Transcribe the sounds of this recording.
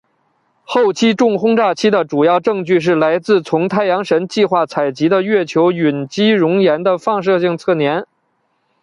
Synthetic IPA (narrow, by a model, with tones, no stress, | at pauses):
xo˥˩ʊt͡ɕʰi˥ʈ͡ʂʊ˥˩ŋxʊ˥ŋʈ͡ʂa˥˩t͡ɕʰi˥d̪ə˨ʈ͡ʂu˨˩jɑ˥˧ʊʈ͡ʂɤ˥˧ŋt͡ɕy˥˧ʂ̬ɻ̩˥˩la˧˥ɪt͡sɹ̩˥˩t͡sʰʊ˧˥ŋt̪ʰa˥˩ɪjɑ˧˥ŋʂə˧˥nt͡ɕi˥˧xwa˥˩t͡sʰa˨˩ɪt͡ɕi˧˥d̪ə˧ɥɛ˥˩t͡ɕʰjo˧˥ʊy˨˩nt͡ɕi˥ɻʊ˧˥ŋjɛ˧˥nd̪ə˧fɑ˥˧ŋʂ̬ɤ˥˧ɕi˥˧ŋt͡sʰɤ˥˩njɛ˧˥n